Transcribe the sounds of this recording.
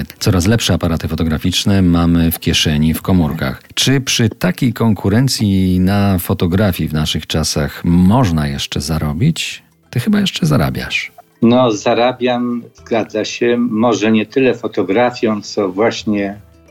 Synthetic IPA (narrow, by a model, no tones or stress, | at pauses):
t̪sɔɾas̬lɛpʂɛapaɾat̪ɘfɔt̪ɔɡɾafʲit͡ʂnɛmamɘfkʲjɛʂɛɲifkɔmuɾka̰xt͡ʂɘpʂɘt̪akʲejkɔŋkʰuɾɛnt̪sʲjinafɔt̪ɔɡɾafʲjivnaʂɘxt͡ʂasaxmɔʐnajɛʂt͡ʂɛzaɾɔbʲit͡ɕ | t̪ɘxɘbajɛʂt͡ʂɛzaɾa̰bʲja̰ʂ | nɔzaɾabʲjamz̥ɡad̪zaɕɛmɔʐɛɲɛt̪ɘlɛfɔt̪ɔɡɾafʲjɔ̃w̃t̪sɔvwaɕɲɛ